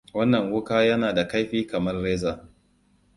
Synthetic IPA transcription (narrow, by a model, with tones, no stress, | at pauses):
wɐ˦nːɐ˨ŋwʊ˦kaː˦jɐ˦naː˨da˨ka˦jɸiː˦kɐ˨mɐ˦rːeː˦zaː˨